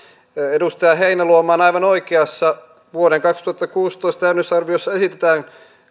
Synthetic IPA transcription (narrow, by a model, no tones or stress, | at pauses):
edust̪ɑjɑɦeinæluomɑːnɑiʋɑnoikeɑsːɑ | ʋuoɾeŋkɑkst̪uɑt̪ːɑkuːst̪oist̪æynysɑrʋiosːɑesit̪et̪æːn